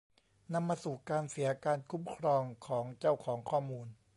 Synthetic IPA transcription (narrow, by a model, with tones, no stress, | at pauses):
na˧mːaː˧suː˨˩kaː˧nsi˩˦ɐkaː˧nkʰu˦˥mkʰɾɔː˧ŋkʰɔː˩˦ŋt͡ɕa˥˩wkʰɔː˩˦ŋkʰɔː˥˩muː˧n